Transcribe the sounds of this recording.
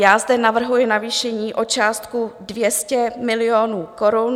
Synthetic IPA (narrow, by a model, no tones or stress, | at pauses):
jaːzdɛnavr̩ɦujɪnaviːʃɛɲiːʔo̞t͡ʃaːst̪kudvjɛscɛmɪlɪjonuːko̞ɾun